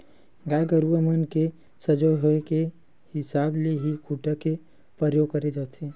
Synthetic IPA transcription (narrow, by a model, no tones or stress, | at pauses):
ɡaːɡəɾuəmənke | səd͡ʒojɦoeke | hɪsaːbleɦikʰuːʈake | pɾəɾjoːɡ̚kɐɾed͡ʒaːt̪ʰeː